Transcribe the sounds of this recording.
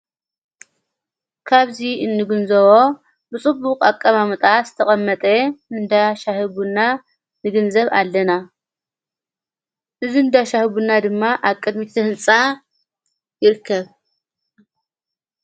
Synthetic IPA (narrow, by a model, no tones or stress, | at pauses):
kʰaβziɨnːɨɡɨnzɐβo̞ | bɨt͡sʼɨbukʼakʼːɐmamɨt̪ʼaz̥ɨ̥t̪ʰɐχʼɐmːɐt̪ʼeɨnd̪aʃahɨβunːa | nɨɡɨnzɐβalːɐna | ʔɨziɨnd̪aʃahɨβunːad̪ɨmːaʔaβkʼɨd̪mit̪ʰɐhɨnt͡sʼa | jɪɾɨkʰːɐβ